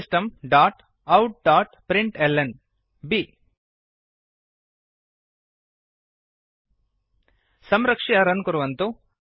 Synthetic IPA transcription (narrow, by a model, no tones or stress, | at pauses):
sʈɐmɖaːʈ | ɐwʈ̚ɖaːʈpɾiɳʈelːen | bi | sɐmɾɐkʂiɐɾɐnkoɾuʋɐnt̪u